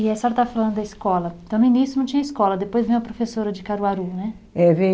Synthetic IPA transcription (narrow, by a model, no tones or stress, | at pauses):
iɛsɔɾɐt̪avɐfalɐ̃nd̪ʊd̪ɐiskɔlɐ̃t̪ɐ̃w̃nʊĩnisʊnɐ̃w̃t͡ʃĩɲɐiskɔlɐd̪epojzvẽj̃ũɐpɾofesoɾɐd͡ʒɪkaɾuaɾunɛ | ɛvẽ